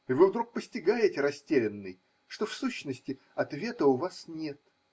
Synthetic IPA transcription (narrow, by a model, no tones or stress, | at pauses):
ɪvɨvd̪ɾuk̚pəsʲtʲɪɡajɪtʲɪɾɐsʲtʲelʲɪnːɨj | ʂt̪ofsuɕːnəsʲtʲɪ | ɐt̪vʲe̞t̪əʊvasnʲe̞t̪̚